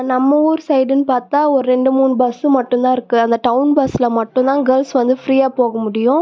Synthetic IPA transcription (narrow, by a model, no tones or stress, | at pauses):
nɐmːɐuːɾsɐɪɖɯnɯpaːɾt̪aːɔɾɯɾɛɳɖɯmuːnɯbɐsɯmɐʈːʊnt̪ãːɪɾɯkːɯɐnd̪ɐʈɐʊnbɐsɪlɐmɐʈːʊ̃t̪ãːɡɐlsʋɐnd̪ɯfɾiːjaːpoːɣɐmʊɽɪjʊ̃